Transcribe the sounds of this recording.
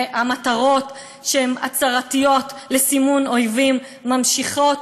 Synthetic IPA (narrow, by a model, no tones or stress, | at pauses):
amataʁo̞t | ʃehema̰t͡saʁatijo̞tlesimuno̞jvimː | amʃiχo̞t